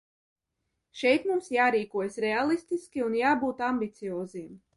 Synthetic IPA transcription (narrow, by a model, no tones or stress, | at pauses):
ʃɛjt̪mumsjaːɾiːkuɔjsɾɛalˠist̪iskʲiunjaːbuːt̪ambit̪sijɔːzim